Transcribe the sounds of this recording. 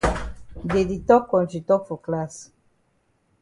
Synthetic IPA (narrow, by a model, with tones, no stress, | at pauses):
de˨di˨t̪ɔ˦kːɔ˨nt͡ʃi˨t̪ɔ˦kfu˨kla˦s